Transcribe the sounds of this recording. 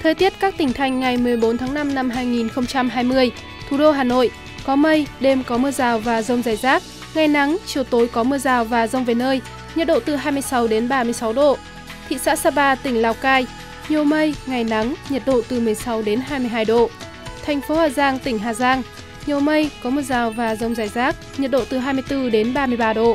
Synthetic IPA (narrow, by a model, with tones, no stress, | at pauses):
t̪ʰəː˨˩jt̪i˦˥ət̚kaː˦˥k̚t̪ï˧˩ŋ̟t̪ʰa˨˩jŋ̟ŋa˨˩jmɨ˨˩əjɓo˨˦nt̪ʰaː˨˦ŋna˧mna˧mɦaː˧jŋi˨˩nxə˧wŋ͡mt͡ɕa˧mɦaː˧jmɨ˧əj | t̪ʰu˨˩ɗo˧ɦaː˨˩no̰˧˨j | kɔ˨˦mə˧jɗe˧mkɔ˨˦mɨ˧əzaː˨˩wvaː˨˩zə˧wŋ͡mzaː˨˧˩jzaː˦˥k̚ | ŋa˨˩jna˨˦ŋt͡ɕi˨˧˩əwt̪o˨˦jkɔ˨˦mɨ˧əzaː˨˩wvaː˨˩zə˧wŋ͡mve˨˩nəː˧j | ɲə˨˩t̚ɗo̰˧˨t̪ɨ˨˩ɦaː˧jmɨ˧əjsa˨˦wɗe˨˦nɓaː˧mɨ˧əjsa˨˦wɗo̰˧˨ | t̪ʰḭ˧˨sa̰ː˧˥saː˧ɓaː˧t̪ï˧˩ŋlaː˨˧˩wkaː˧j | ɲo˨˩mə˧jŋa˨˩jna˨˦ŋɲə˨˩t̚ɗo̰˧˨t̪ɨ˨˩mɨ˨˩əjsa˨˦wɗe˨˦nɦaː˧jmɨ˧əjɦaː˧jɗo̰˧˨ | t̪ʰɛ˨˩jŋ̟fo˨˦haː˨˩zaː˧ŋt̪ï˧˩ŋ̟ɦaː˨˩zaː˧ŋ | ɲo˨˩mə˧jkɔ˨˦mɨ˧əzaː˨˩wvaː˨˩zə˧wŋ͡mzaː˨˩jzaː˦˥k̚ɲə˨˩t̚ɗo̰˧˨t̪ɨ˨˩ɦaː˧jmɨ˧əjt̪ɨ˧ɗe˨˦nɓaː˧mɨ˧əjɓaː˧ɗo̰˧˨